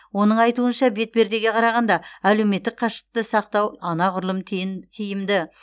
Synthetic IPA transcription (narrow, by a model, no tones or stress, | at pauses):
wo̞nəɴɑjt̪uənʃɑbe̞t̪̚be̞ɾd̪e̞ɡʲe̞qʰɑɾɑʁɑnd̪ɑæle̞wme̞t̪ːɪk̚qʰɑʃə̥q̚t̪əsɑq̚t̪ɑwɑnɑqʰʊɾlˠəmt̪ʲʰijɪmd̪ɪ